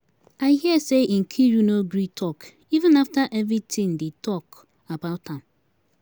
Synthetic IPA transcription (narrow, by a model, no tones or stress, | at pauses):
aɪhiəseʔĩŋ̩kʰijunoɡɾitʰɔk | ivɨ̃naftaʔɛvɹitʰĩŋdetʰɔk | abaʊthãm